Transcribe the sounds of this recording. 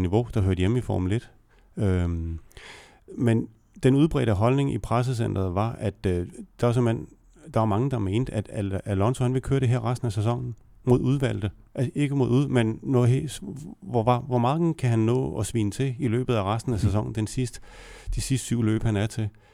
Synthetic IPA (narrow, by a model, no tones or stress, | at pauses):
niʋo̝d̥ɑ̈ɦøɐ̰d̥jemifɒ̰ːmule̝d̥ | ø | men | d̥enuð̞ˠb̥ʁɛ̰ːd̥əɦɒ̽lne̝ŋʔipʰʁas̬əs̬en̰d̥ɐð̩ˠʋɑ̈ʔæd̥d̥ɑɐsɒ̽men̰ | d̥ɑ̈ʋɑ̈mɑ̈ŋəd̥ɑ̈me̝ːnd̥æd̥ælɒ̽nsohænʋe̝lkʰøːɐɾ̥e̝ɦeɐ̰ʁasd̥n̩æsæs̬ɒ̽ŋ̰n̩ | mo̝ðˠuð̞ˠʋæl̰d̥ð̩əʔe̝ɡ̥əmo̝ðˠuðˠmenːɔɦeʋɒɑ̈ʋɒmɑ̈ːðɡn̩kʰæɦænːɔ̰ːɒ̽sʋḭːnət͡sʰe̝ilø̰ːb̥ð̩ˠæʁasd̥n̩æsæs̬ɒ̽ŋ̰n̩d̥ensisd̥d̥isisd̥syʊ̰lø̰ːb̥hænæɐt͡sʰe̝